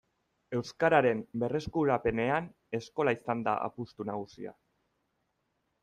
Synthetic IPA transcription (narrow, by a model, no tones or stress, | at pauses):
e̞wskaɾaɾe̞mbe̞re̞skuɾape̞ne̞an | e̞sko̞laisand̪a̰ʔa̰pust̪unaɣ̞usḭa̰